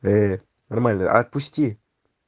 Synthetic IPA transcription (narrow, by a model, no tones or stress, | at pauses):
e | nɔrmala̰at̪̚pust̪ie